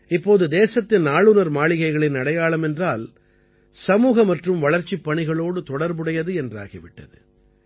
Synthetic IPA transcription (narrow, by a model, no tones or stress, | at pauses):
ɪpːoːðɯd̪eːsɐt̪ːɪnnaːɭɯnɐɾmaːɭɪɣɐɪɣɐɭɪnːɐɽɐjaːɭɐmɛndraːl | sɐmuːɣɐmɐʈrɯmʋɐɭɐɾt͡ʃipːɐɳɪɣɐɭoːɽɯt̪ɔɽɐɾbɯɽɐjɐðɯɛndra̰ːɣɪʋɪʈːɐ̰ðɯ̰